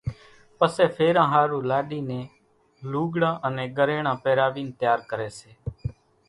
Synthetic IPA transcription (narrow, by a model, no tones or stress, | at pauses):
pəsɛːpʰeːɾãːɦaːɾũːlaːɗiːnẽː | luːɡɽãːʔənẽːɡəɾeːɽãːpɛːɾaːʋiːnt̪jaːɾkəɾeːseː